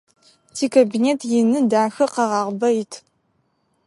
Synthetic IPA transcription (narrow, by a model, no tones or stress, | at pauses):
tʰiːkʰabineːtʰjɪnɨdaːxɐqɐʁɑːʁʷbɐjɪtʰ